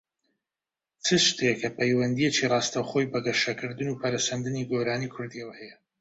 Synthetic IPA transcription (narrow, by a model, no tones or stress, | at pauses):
t͡sʰɨʃt̪ʰekʰɐpʰɛjwɐnd̪ijet͡ʃirɑːst̪ɐwχo̞jbɐɡɐʃɐkʰɨɾd̪ɨnuːpʰɐɾɐshɐnd̪ɨniːɡoːɾaːnikʰʊɾd̪iɐwɐhɛjɛ